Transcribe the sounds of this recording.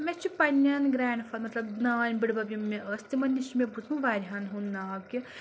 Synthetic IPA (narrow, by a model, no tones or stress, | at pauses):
met͡ʃʰipɐnʲːɐnɡɾaːɳɖfʰɐlmɐt̪lɐbdnaːnʲbiɽbɐbjumːeʔəst̪imɐnːisimebud͡znũʋaːɾʲɦanɦunːaːbkʲi